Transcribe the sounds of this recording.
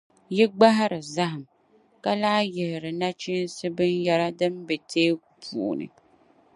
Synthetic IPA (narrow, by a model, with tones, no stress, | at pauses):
ji˦ɡ͡ba˦ɦa˦ɾɨ˨za˦ɦɨ˨m | ka˦laː˦jɛ˨lɪ˨ɾɨ˨na˦t͡ʃi˦n˦sɨ˦bɨ˦nja˦ɾa˦dɨ˦m˦bɛ˨teː˦ku˨pṵ˨nɨ̰˨